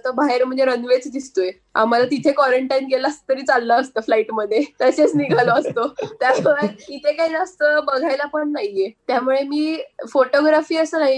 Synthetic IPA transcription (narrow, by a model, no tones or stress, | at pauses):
t̪əbʱaɦeɾm̤əɳd͡zeɾənʋet͡sd̪ist̪oje | a̰m̤alat̪it̪ʰekʋɔɾeɳʈajnɡelast̪ːəɾiːt͡salːəːst̪əːflaiʈməd̪ʱːjet̪aɕet͡sniɡʱaloəst̪ot̪jamuɭeit̪ʰekaid͡zast̪əːbəɡʱajlapəɳnaɦjiet̪jamuɭemiːfoʈoɡɾafiːəsəːnaɦi